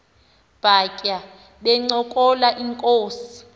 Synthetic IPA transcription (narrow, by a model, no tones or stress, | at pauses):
b̥ʱakʼa | ɓɛŋ͡ǀɔkʼɔlaʔiŋkʼoːsi̥